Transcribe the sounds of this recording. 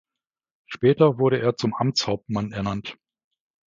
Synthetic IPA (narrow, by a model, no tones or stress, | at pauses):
ʃpɛːtɐvʊɐɾəʔeːɐt͡sʊmʔamt͡shaʊp̚tmanɛɐnant